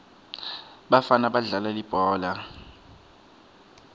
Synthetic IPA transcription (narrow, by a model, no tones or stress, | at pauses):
ɓafanaɓaɮalalib̥ʱɔːla